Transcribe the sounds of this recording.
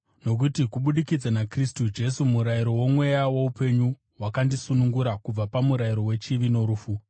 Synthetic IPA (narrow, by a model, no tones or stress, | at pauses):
no̞k̬utikuɓuɗikid͡zanakristud͡ʒe̞sumuɾaiɾo̞wo̞mwe̞jawo̞upe̞ɲu | wakandisunuŋɡuɾakub͡vapamuɾaiɾo̞we̞t͡ʃiʋino̞ɾuːfu